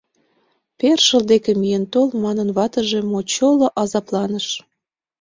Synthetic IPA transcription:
perʃəld̪ekemijent̪olmɑnənβɑt̪əʒe̽mot͡ɕoloʔɑzɑplɑnəʃ

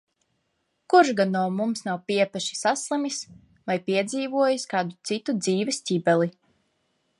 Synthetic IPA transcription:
kuɾʃɡanːuɔmumsnawpiɛpɛʃi̥saslˠimis | vajpiɛd̪ziːvuɔjiskaːd̪ut̪sit̪ud̪ziːvɛsʲtʲibɛlˠi

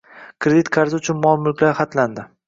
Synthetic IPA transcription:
kʰɾed̪it̪kʰaɾzɪʊt͡ʃʰʊnmɒmʊlˠkʲlaɾχat̪land̪ɪ

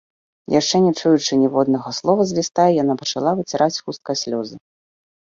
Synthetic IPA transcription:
jʔaʂt͡ʂɛnʲɛt͡ʂujut͡ʂɨnʲɛvɔd̪nɐɣɐslˠɔvɐzʲvʲɛst̪ajɛjanapɐt͡ʂalˠavɨt͡sʲɛɾʔat͡sʲxust̪̚kɐjsʲlʲɔzɨ

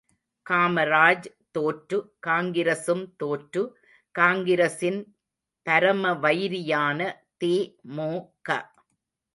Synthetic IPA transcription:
kaːmɐɾaːd͡ʒ | t̪oːʈɾɯkaːŋɡɪɾɐsɯmt̪oːʈɾɯ | kaːŋɡɪɾɐsɪn | pɐɾɐmɐʋɐjɾɪjaːnɐ | t̪eːmoːkɐ̰

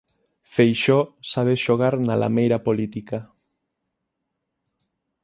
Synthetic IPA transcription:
fejʃɔsaβ̞eʃoɣ̞aɾnala̰mejɾapolit̪ika

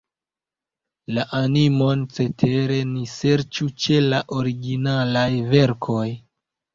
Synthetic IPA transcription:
laʔanimo̞nt͡se̞tʰe̞ɾe̞nise̞ɾt͡ʃut͡ʃe̞laʔo̞ɾiɡinalajve̞ɾkʰo̞j

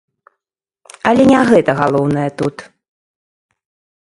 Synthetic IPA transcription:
alʲɛnʲaɣɛt̪ɐɣalˠɔwn̪ɐjɐt̪ut̪

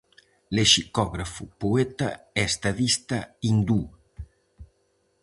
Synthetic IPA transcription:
leʃikɔɣɾafupuet̪a̰ | ɛst̪aðist̪aind̪u

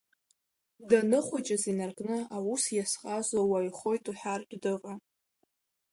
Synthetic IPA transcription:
danɨχʷat͡ʃʼazinarkʼnɨawusjasqʼazʷawajχo̞jtʼuħarkʲʼdɨqʼa

